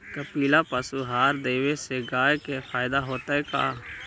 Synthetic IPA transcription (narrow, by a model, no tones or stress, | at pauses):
kəpiːlapəsuɦaːɾd̪eːweseɡaːjkepʰaːɪd̪aɦoːt̪aɦɛka̰ː